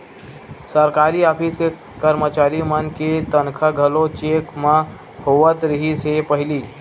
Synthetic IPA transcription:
səɾkaːɾiaːpʰiske | kəɾmət͡ʃaːɾimənket̪ənkʰəɡʱəlot͡ʃekmã | hoʋət̪ɾəɦisepəɦɪliː

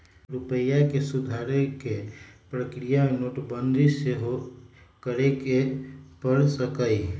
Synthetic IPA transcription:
ɾupəjakesud̪ʱaɾekepɾəkɾijamenoʈbənd̪ʱiseɦokəɾekepəɾsəkəi

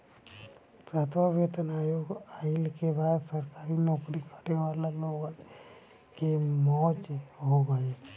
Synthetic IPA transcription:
sat̪ʋabet̪ənajoɡailkebaːd̪səɾkaɾinokɾikʰəɾeʋalaloɡan | kemɔt͡ʃɦoɡail

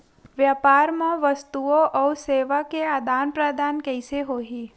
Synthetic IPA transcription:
ʋjapaːɾmãʋəst̪uoʔɔuseːʋakead̪aːnpɾəd̪aːnkɛɪseɦoːɦi

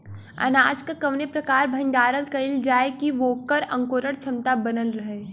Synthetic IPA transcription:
ɐ̰naːd͡ʒkkɐʋnepɾɐkaːɾbʱɐ̃nɖ̪aːɾəlkɐɪld͡ʒaːekiʋoːkəɾɐ̰̃ŋkoːɾəɽt͡ʃʰɐmt̪abɐnəlɾɐɦeː

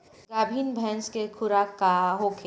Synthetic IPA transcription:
ɡaːbʱiːnbʱɛːnskekʰʊɾakaɦokʰe

